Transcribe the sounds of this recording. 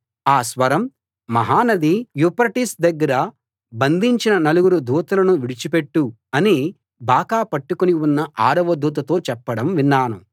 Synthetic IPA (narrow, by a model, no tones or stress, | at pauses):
aːsʋɐɾɐm | mɐɦaːnɐd̪ijupɐɾʈisd̪ɐɡːɐɾɐ | bɐnd̪ʱiɲt͡ʃinɐnɐluɡuɾud̪ʱuːt̪ɐlɐnuʋiɽit͡ʃipe̞ʈːu | ɐni | baːkaːpɐʈːukoniunːɐʔaːɾɐʋɐd̪uːt̪̬ɐt̪o̞ːt͡ʃɛpːɐɽɐmʋinːaːnu